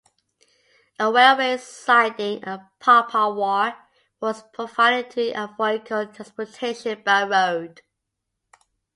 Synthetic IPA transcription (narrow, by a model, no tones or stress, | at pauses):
əwɛlwesaɪdɪ̃ŋəpʰɑˑpʰəwɔ | wɒz̥pʰɹ̥əfaɾnɪtʰiʔəvloʊkʰəlˠtʰɹ̥ãnspɔtʰeɪʃə̃nb̥aɪɹoʊd̥